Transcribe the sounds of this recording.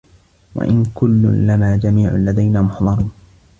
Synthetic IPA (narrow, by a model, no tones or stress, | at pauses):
wa̰ʔɪnkʊlːʊ̰lamaːd͡ʒamiːʕʊ̰lːad̪ajnaːmʊħd̪ˤɑɾˤuːn